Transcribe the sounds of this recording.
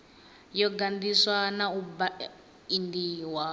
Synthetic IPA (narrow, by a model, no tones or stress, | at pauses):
jɔɡandiswanauba | indiːwa